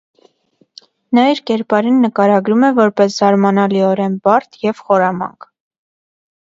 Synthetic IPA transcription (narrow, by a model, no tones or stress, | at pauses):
nɑiɾkɛɾpɑɾinːəkɑɾɑɡɾumɛvɔɾpɛszɑɾmɑnɑliɔɾɛnbɑɾt̪ʰjɛvχɔɾɑmɑ̰ŋkʰ